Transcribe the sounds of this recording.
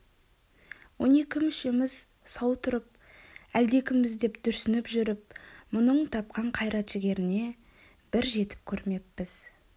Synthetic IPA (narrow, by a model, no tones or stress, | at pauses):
wo̞̰ne̞kʲɪmʏʃemɪz̥ | sɑwt̪ʰʊɾəp̚ | æld̪e̞kʲɪmmɪzd̪e̞pd̪̥ʏɾsɪnɪpʒʏɾɪp̚mʊnəɴt̪ʰɑp̚qɑɴqʰɑjɾɑt̪ʒ̥ɪɡʲe̞ɾɪne̞ | b̥ɪɾʒe̞t̪ɪ̥p̚kʲʰɵɾme̞pːɪz̥